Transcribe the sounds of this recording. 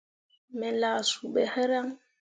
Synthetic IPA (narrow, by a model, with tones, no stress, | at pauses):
mɛ˨laː˨su˨ɓɛ˨hɛ˦ɾa˦ŋ